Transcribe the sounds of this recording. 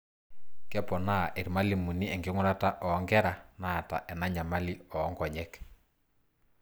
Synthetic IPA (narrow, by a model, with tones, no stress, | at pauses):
kɛ˦pɔ˨na˦ʔɛ˨ɾma˦li˨mu˨ni˦ɛ˨ŋɡɪ˦ŋʊ˦ɾa˦ta˦ʔɔ˨˦ŋɡɛ˦ɾa˨na˦˨ta̰˨ʔɛ˨na˦ɲa˨ma˦li˦ɔː˨˦ŋɡɔ˨ɲɛ˦k